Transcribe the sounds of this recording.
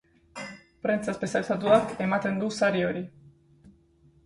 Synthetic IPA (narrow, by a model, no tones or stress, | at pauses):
pɾe̞nt͡saespesalsat̪uake̞mat̪e̞nd̪usaɾio̞ɾi